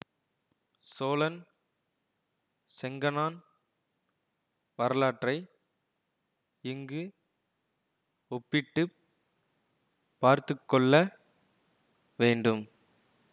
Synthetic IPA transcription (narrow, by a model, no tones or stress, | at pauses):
soːlɐn | sɛŋɡɐnaːn | ʋɐɾɐlaːʈrɐɪ | ɪŋɡɯ | ɔpːɪʈːɯ | pːaːɾt̪ɯkːɔɭːɐ | ʋeːɳɖɯm